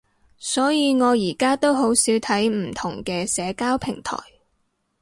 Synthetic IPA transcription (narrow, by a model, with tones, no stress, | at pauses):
sɔː˨˥jiː˨˧ŋɔː˨˧jiː˨˩kaː˥t̪o˥wɦo˨˥wsiː˨˥wt̪ʰɐ˨˥jm̩˨˩t̪ʰʊ˨˩ŋkɛː˧sɛː˨˧kaː˥wpʰɪ˨˩ŋt̪ʰɔ̰ː˨˩j